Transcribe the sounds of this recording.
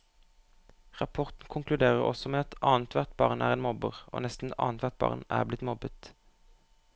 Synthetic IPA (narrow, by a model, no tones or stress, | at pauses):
ʁɑpʰɔʁt̪n̩kʰʊŋklʉd̪eːʁəʁɔ̰sɔmeːɑt̪ɑːənt̪ʰʋæʁt̪̚bɑːʁnæːʁeːnmɔbəʁʔo̰ːnɛst̪n̩ɑ̰ːnt̪ʰʋæʁt̪̚bɑ̰ːʁnæ̰ːʁblɪt̪mɔbət̪